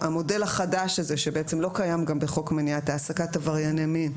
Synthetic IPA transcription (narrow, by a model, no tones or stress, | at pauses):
amo̞de̞laχadaʃaze̞ʃebeet͡se̞mlo̞kajamɡambeχo̞kmeniataːsakatavaʁjanemin